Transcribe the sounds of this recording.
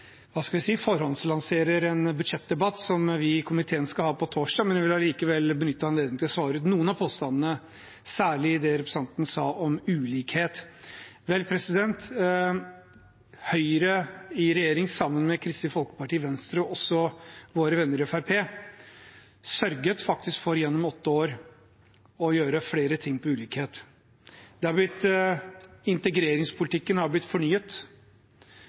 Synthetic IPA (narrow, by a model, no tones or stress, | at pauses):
ʋɑːskɑʋɪsiːfɔɾhɔnslɑnseːɾəɾɛnbʉd̪ʂɛt̪̚d̪ɛbɑt̪ːsɔmʋɪkʰʊmɪt̪ʰeːənskɑhɑːpɔt̪ʰoːʂdɑːmɛnɪʋɪlɑliːkəʋɛlbənʏt̪ːəhɑɛnleːd̪ɪŋt̪ɪɔsʋɑːɾʉt̪nuːənɑpʰoːst̪ɑnənə | sæːɭɪd̪ɛɾɛpɾɛ̥sɑnt̪n̩sɑːʔɔmʉːliːkheːt̪ʋɛlpʰɾɛsɪd̪ɛnt̪ | hœʏɾəɪɾɛjeːɾɪŋsɑmːənmɛkʰɾɪst̪ɪfɔlˠkə̥pɑʈiːʋɛnst̪ɾəɔɔsɔʋoːɾəʋɛnːəɾɪɛfæɾpʰeː | sœɾɡət̪fɑk̚t̪ɪskfɔɾjɛnːɔmɔt̪ːəoːɾ | ɔjøːɾəfɽeːɾət̪ʰɪŋːpʰɔʉːliːkheːt̪ | d̪ɛhɑɾblɪt̪ː | ɪnt̪əɡɾeːɾɪŋspʰʊlɪt̪ʰɪkːənhɑɾblɪt̪ːfɔɳyːət̪